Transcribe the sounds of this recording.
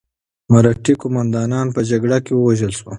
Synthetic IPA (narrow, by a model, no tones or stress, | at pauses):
maɾaʈikʊmand̪ɑnɑnpəd͡ʒaɡɽakewəwaʒəlʃwo